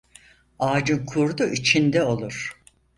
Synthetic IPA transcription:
aːd͡ʒɯnkʰuɾd̪uʔit͡ʃʰind̪ɛo̞lˠuɾ̥

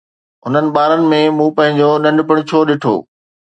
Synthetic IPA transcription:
ɦʊn̤ənɪ̆ɓaːɾənɪ̆mẽmũːpɐ̃ɦɪ̃ɲd͡ʑoɗɐ̃ɳɖɪpɪɽ̃t͡ɕʰoːɗɪʈʰo̰ː

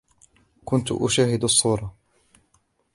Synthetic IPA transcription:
kʊnt̪ʊ̰ʔʊ̰ʃaːhɪd̪ɑsˤːuːɾˤɑ

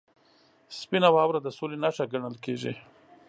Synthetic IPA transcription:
spinawɑːwɾad̪əsolenaʂaɡaɳəlkeʒi

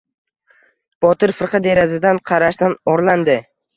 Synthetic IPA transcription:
b̥ɒt̪ɪɾfɨɾqɑd̪e̞ɾazɪd̪anqʰɑɾaʃd̪anɒɾland̪ɪ

